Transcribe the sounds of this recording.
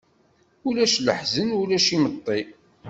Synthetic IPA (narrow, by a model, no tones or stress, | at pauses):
ulæʃlə̰ħzənulæʃimət̪ˤːi